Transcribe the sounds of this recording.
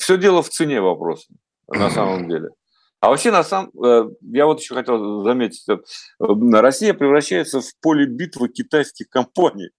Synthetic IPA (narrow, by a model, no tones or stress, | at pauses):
fsʲɵdʲe̞lˠəft̪sɨnʲe̞vɐpɾo̞̰sə | nɐsaməmdʲḛlʲɪ̰ | ɐ̰vɐpɕe̞nɐsaməjavo̞t̪ɪ̥ɕːo̞xɐtʲelˠzɐmʲetʲɪ̥tʲət̪̚ | ɾɐsʲijəpɾʲɪvɾɐɕːæjɪt̪səfpo̞lʲɪbʲit̪vɨkʲɪt̪ajskʲɪxkɐmpanʲɪ̰j